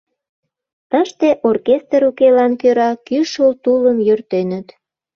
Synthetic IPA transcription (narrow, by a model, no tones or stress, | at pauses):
t̪əʃt̪eʔorkest̪ɾukelɑnkøɾɑkyʃult̪uləmjørt̪enət̪